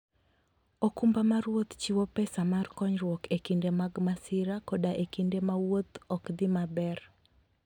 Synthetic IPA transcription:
okumbamaɾwot̪t͡ʃiwopɛsamarkɔɲɾwokekindemaɡmasɪɾakodaʔekindemawot̪ɔkd̪ɪmabɛr

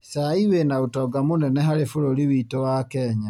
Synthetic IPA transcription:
saiwenaotɔɡamonɛnɛɦaɾefoɾoɾiβiːtowakɛɲa

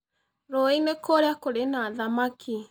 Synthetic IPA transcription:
ɾoinekoɾeakoɾenaðamakʰi

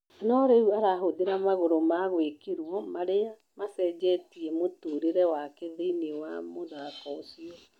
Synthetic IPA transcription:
nɔɾeuaɾaɦoðeɾamaɣoɾomaɣwekeɾwɔmaɾea | masɛːd͡ʒɛtiɛmotuːɾeɾɛwakeðeinewamoðakɔosiɔ

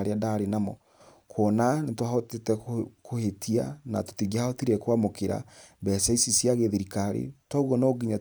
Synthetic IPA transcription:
ɾeadaɾenamɔ̰ | kʰɔnanetwahɔtetɛkohetʰiana̰to̥tiɣiahaɔtiɾekwamokeɾa̰bɛsɛisisjaɣeðeɾikaɾḛtɔuɣɔnoɡiɲa

